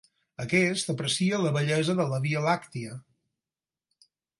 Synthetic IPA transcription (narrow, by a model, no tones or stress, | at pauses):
əkɛst̪əpɾəsiələβəʎɛzəðələβiəlakt̪iə